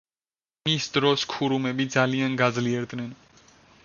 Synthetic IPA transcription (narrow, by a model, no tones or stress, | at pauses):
mist̪ɾoːskʰuːɾuːmẽːbʱiːt͡ʃaːlijə̃nɡazliəɾt̪nɪn